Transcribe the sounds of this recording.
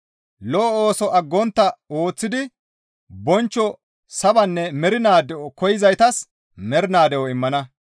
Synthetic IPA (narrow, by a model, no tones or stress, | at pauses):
lɔːoːsɔʔɐɡːɔnt̪ːɐo̞ːt͡sːɪd̪ɪ | bɔnt͡ʃːɔ | sɐbɐnːɛmɛɾɪnaːd̪ɛwɔkɔjɪzɐjt̪ɐs | mɛɾɪnaːd̪ɛwɔɪmːɐnɐ